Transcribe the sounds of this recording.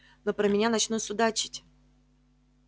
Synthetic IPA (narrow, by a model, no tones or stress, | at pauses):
nopɾəmʲɪnʲanɐt͡ɕnusʲʊd̪at͡ɕɪ̥tʲ